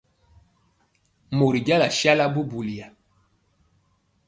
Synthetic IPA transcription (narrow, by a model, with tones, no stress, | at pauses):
mo˨ɾi˨ɟa˦la˨ʃja˦la˦bu˦bu˨li˨ja˨